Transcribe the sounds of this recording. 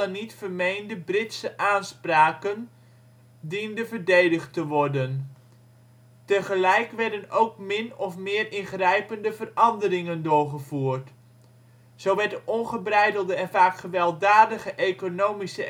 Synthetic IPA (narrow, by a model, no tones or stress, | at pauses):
ɑnːitfərmejndəbrɪtsəʔaːnspraːkən | dindəvəɹdejdəχtəʋɔɹdən | təχəlɛjkʋɛɹdənowkmɪnɔfmɪːrɪnχrɛjpəndəvərɑndərɪŋəndʊːɹχəvuːɹt | z̥owʋɛɹtdəʔɔnχəbrɛjdəlˠdəɛnvaːkχəʋɛlˠdaːdəχəʔejkonowmisə